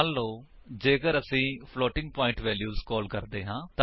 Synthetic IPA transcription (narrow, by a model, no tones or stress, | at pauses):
lːõː | d͡ʒeːkəɾəsĩːpʰloːʈɪ̃ŋɡ̚pɔ̃ːɪɳʈʋɛːljuːzkɔːlkəɾd̪eːɦãːt̪